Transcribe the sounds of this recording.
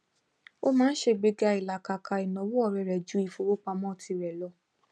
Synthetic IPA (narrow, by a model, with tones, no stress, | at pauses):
o˦mãː˦n̩˦ʃe˧˨ɡ͡be˧ɡa˧i˨la˨ka˨kʰa˧i˨nɔ̃˨wu˦ɔ˦˨ɾɛ˨ɾɛ˨d͡ʒu˨˦i˦˨fo˧˦ɾo˦k͡pa˧mɔ̃˦˨tʰi˧ɾɛ˨lɔ˧˦